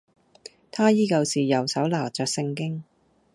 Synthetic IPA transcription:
t̪ʰaː˥jiː˥kɐ˧wsiː˨˩jɐ˨˩wsɐ˨˥wlaː˨˩t͡sœː˨k̚sɪ˧ŋkɪ˥ŋ

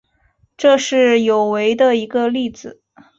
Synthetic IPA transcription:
ʈ͡ʂɤ˥˧ʂɻ̩˥˩jo˨˩ʊwe˧˥ɪd̪ə˧i˧˥ɡə˧li˥˩d͡zɹ̩˨˩

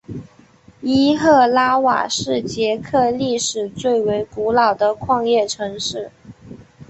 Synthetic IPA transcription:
i˥xɤ˥˩la˥wa̰˨˩ʂɻ̩˥˩t͡ɕjɛ˧˥kʰɤ˥˧li˥˩ʂɻ̩˨˩t͡swe˥˩ɪwe˧˥ɪku˧˥lɑ˨˩ʊd̪ə˦kʰwɑ˥˧ŋjɛ˥˩ʈ͡ʂʰɤ˧˥ŋʂɻ̩˥˩

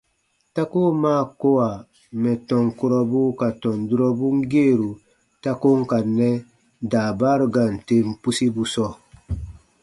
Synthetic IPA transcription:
ta˦ko˦maː˦˨ko˦wa˨ | mɛ˨tɔ˨ŋku˦ɾɔ˦bu˦ka˨tɔ̃˨ndu˦ɾɔ˦bu˦ŋ˦ɡe˦˨ɾu˨ | ta˦ko˦ŋ˦ka˨nɛ˦ | daː˨ba˦ɾu˨ɡa˨n̩˨te˦mpu˦si˦bu˦sɔ˦

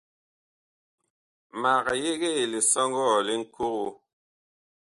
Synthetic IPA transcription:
ma˨ɣa˨je˦ɣe˦˨le˨sɔ˦ŋ˦ɡɔ˦˨le˦ŋ̩˨ku˦ɣu˨

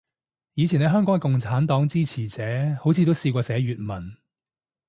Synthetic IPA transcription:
jiː˨˧t͡sʰi˨˩ne˨˧ɦœː˥ŋkɔː˨˥ŋkɛ˧kʊ˨ŋt͡sʰaː˨˥nt̪ɔː˨˥ŋt͡siː˥t͡sʰiː˨˩t͡sɛː˨˥ho˨˥wt͡sʰiː˨˧t̪o˥wsiː˧kʷɔː˧sɛː˨˥ɥyː˨t̚mɐ˨˩n

